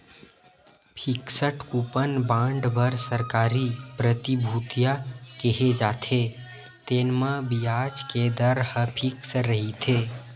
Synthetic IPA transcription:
pʰiksəʈʰkupənbãɳɖbəɾsəɾkaːɾipɾət̪ibʱut̪ijakeɦed͡ʒat̪ʰe | t̪enmãbijad͡ʒked̪əɾhəpʰiksəɾəɦit̪ʰe

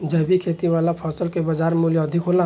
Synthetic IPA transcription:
d͡ʒəbikʰet̪iʋalapʰɔsəlkebəd͡ʒaɾmuljəːd̪ʱikɦolã

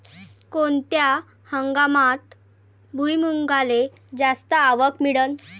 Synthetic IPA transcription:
kont̪ja | həŋɡamat̪ | bʱujmuŋɡale | d͡zast̪əaʋəkmiɽən

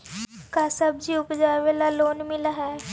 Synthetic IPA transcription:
kaːsəbd͡ʒiʊpd͡ʒaːʋelaloːnmɪlaɦɛː

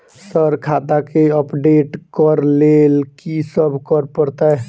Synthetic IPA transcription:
səɾkʰat̪akeəpɖeʈkəɾlelkisəbʱkəɾpəɾt̪ə

